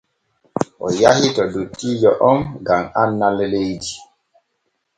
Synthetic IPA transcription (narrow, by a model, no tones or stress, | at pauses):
ʔɔ̰jahitɔdutːid͡ʒɔʔɔmɡamanːalelejdi